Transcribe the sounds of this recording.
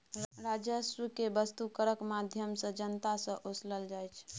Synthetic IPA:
ɾad͡ʒəsɾukebəst̪ukəɾəkmad̪ʱjəmsə̃d͡ʒənt̪asə̃ʔosləld͡ʒajt͡ʃʰ

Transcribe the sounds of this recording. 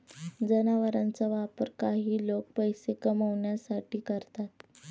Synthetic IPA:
d͡zənaʋəɾant͡saʋapəɾkaɦiːlok̚pəjsekəməʋɳjasaʈiːkəɾt̪at̪̚

